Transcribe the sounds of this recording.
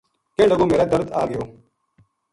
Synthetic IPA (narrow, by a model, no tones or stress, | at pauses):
kẽːɖəɡõːmeːɾɛːd̪əɾd̪aːɡɪjoː